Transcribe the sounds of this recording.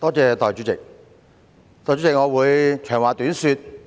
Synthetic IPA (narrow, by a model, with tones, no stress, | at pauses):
t̪ɔː˥t͡sɛː˨˧t̪ɔː˨jt͡ʃy˨˧˥t͡sɪ˨˩k̚ | t̪ɔː˨˩t͡ʃy˨˥t͡sɪ˨k̚ŋɔː˨˧wuː˨˧jt͡ʃʰœː˨˩ŋwaː˨˩t̪yː˨˥nsyː˧t̪̚